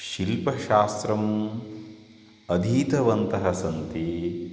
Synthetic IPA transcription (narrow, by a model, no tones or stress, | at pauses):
ʃilpɐʃaːst̪ɾɐm | ɐd̪ʱiːt̪ɐʋɐnt̪ɐɦɐsɐnt̪i